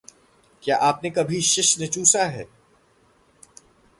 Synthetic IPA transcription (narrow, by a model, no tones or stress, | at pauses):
kjaːʔaːpnekɐbʱiʃɪʃnɪt͡ʃuːsaɦɛː